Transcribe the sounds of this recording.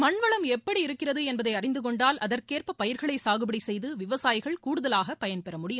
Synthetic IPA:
mɐɳʋɐɭɐmɛpːɐɽiɪɾɯkːɪrɐðɯɛnbɐðɐɪɐrɪnd̪ɯkɔɳɖaːlʔɐðɐɾkeːrpɐpɐjɪɾɣɐɭɐɪsaːɣɯbɪɽisɛjðɯʋɪʋɐsaːjɪɣɐɭkuːɽɯðɐlaːɣɐpɐjɐnpɛɾɐmʊɽɪjɯm

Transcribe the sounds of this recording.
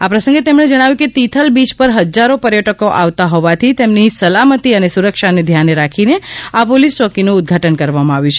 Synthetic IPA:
apɾəsə̃ŋɡet̪emɳed͡ʒəɽ̃aʋjũket̪it̪ʰəlbid͡ʒpəɾɦəd͡ʒaɾopəɾjəʈəkoʔaʋt̪aɦɔʋat̪ʰit̪emnisəlamət̪iənesuɾəkʃaned̪ʱjaneɾakʰineapolist͡ʃɔkinuːd̪̚ɡʱaʈənkəɾʋamãaʋjũt͡ʃʰe

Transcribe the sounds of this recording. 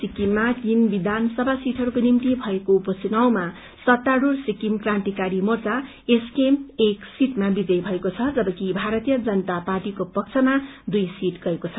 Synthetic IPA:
sikimːakinbid̪ʱansʌbʱasiʈʰɦʌɾukonimt̪ibʱʌekoupʌsinawma | sʌt̪ːaɽursikimkrant̪ikaɾimʌrt͡sa | eskemeksiʈmabid͡zʌjbʱʌekot͡sʰʌd͡zʌbʌkibʱaɾʌt̪ijʌd͡zʌnʌt̪aparʈikopʌk̚t͡sʰʌmad̪ujsiʈɡʌekot͡sʰʌ

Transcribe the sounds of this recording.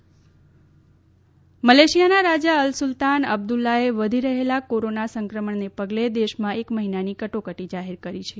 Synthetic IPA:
məleʃijanaɾad͡ʒaəlsʊlt̪anə̰b̚d̪ulːaeʋəd̪ʱiɾəɦelakoɾonasəŋkɾəməɳnepəɡled̪eʃmãekməɦinanikəʈokəʈid͡ʒaɦeɾkəɾit͡ʃʰe

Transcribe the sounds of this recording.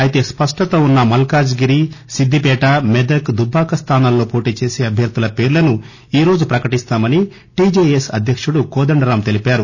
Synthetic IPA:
ɐjit̪e̞ːspɐʂʈɐt̪ɐunːɐmɐlkaːd͡ʒɡiɾisid̪ʱːipɛːʈɐmed̪ɐkd̪ubʱaːkɐst̪ʰaːnaːllo̞ːpo̞ːʈiːt͡ʃe̞ːseːɐbʱjɐɾd̪ulɐpe̞ːɾulɐnu | iːɾo̞ːd͡ʒupɾɐkɐʈist̪aːmɐni | ʈiːd͡ʒeesɐd̪ʱjɐkʂuɽukɔːd̪ɐɳɖɐɾaːmt̪e̞lipaːɾu

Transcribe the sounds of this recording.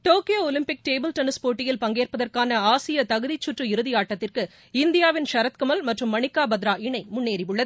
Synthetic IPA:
ʈoːkɪjoːɔlɪmpɪk̚ʈeːbɪlʈɐnɯspoːʈːɪjɪlpɐŋɡeːrpɐðɐrkaːnɐaːsɪjɐt̪ɐɣɯðit͡ʃːʊʈrɯɪɾɯðɪjaːʈːɐt̪ːɪrkɯ | ɪnd̪ɪjaːʋɪnʃɐɾɐt̪kɐmɐlmɐʈrɯmːɐɳɪkːaːbɐd̪ɾaːɪɳɐɪmʊɳːeːɾɪʋɯɭːɐðɯ

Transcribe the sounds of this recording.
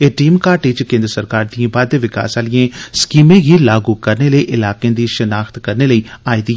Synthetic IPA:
eʈiːmkaːʈiːt͡ʃkẽːnd̪ɾəsəɾkaːɾd̪iẽbaːd̪eʋɪka̰ːsaːlɪjẽskiːmẽɡilaːɡukɐɾneləiʔɪlaːkẽd̪iʃənaːxt̪kɐɾneləiaːiːd̪i

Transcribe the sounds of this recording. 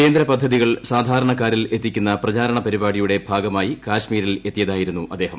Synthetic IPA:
ke̞ːnd̪ɾɐpɐd̪ʱːɐðiɣɐɭsaːd̪ʱaːɾɐɳɐkːaːɾile̞t̪ːikʲːunːɐprɐt͡ɕaːɾɐɳɐpɐɾibaːɽijuɽe̞bʱaːɡɐmaːjikaːɕmiːɾile̞t̪ːijɐðaːjiɾunːuʔɐd̪ːe̞ːɦɐm

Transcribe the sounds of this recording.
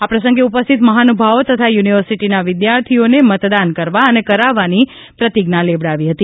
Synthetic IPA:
apɾəsə̃ŋɡeupəst̪ʰit̪məɦanubʱaʋot̪ət̪ʰajuniʋəɾsiʈinaʋɪd̪jaɾt̪ʰionemət̪d̪ankəɾʋaənekəɾaʋani | pɾət̪iɡnaleʋɽaʋiɦət̪i

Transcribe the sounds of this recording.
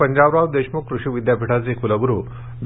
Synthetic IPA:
əɲd͡ʑaʋɾaʋd̪eɕmukɾuʂiʋid̪japiʈʰad͡zekuləɡɾu | d̪

